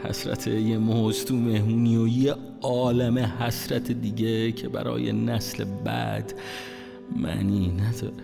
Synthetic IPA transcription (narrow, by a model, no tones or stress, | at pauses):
hæ̰sɾæ̰t̪ʰejemozt̪ʰumehmuːniːoje | ɒːlæmehæsɾæt̪ʰed̪iːɟecʰebæ̰ɾɒ̰ːjḛnæslebæ̰d̪ | mæ̰niːnæd̪ɒːɾe